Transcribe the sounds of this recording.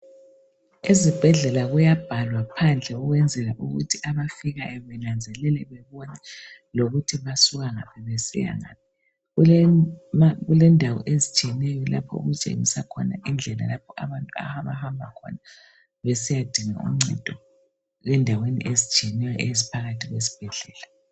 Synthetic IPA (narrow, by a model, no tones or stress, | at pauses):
izib̥ʱɛɮɛlaɣujab̥ʱalwapʰand͡ɮʱɛɣuɣwɛnd͡zʱɛlaʔuɣṵtʰiʔaβafiɣaʔɛβɛnand͡zʱɛlɛlɛβɛβɔnɛloɣutʰiβasuɣaŋapʰɛβesḭja̰ŋa̰ːp̚ʰi | maɣulɛndʱawɔ̰ʔezit͡ʃʼiɛnɛjɔla̰pʰɔ̰ṵɣut͡ʃʼḛŋisakʰɔ̰na̰ʔind͡ɮʱɛla̰lapʰɔʔaβantʼua̰haβahambʱakʰɔ̰na | βesijad̥ʱiŋa̰ʔṵm̩ŋ͡ǀɛ̰d̥ʱɔ | ɣɛndʱawenḭʔezit͡ʃʼiɛnɛjɔʔezipʰaɣatʰiɣwesi̥b̥ʱɛɮɛːla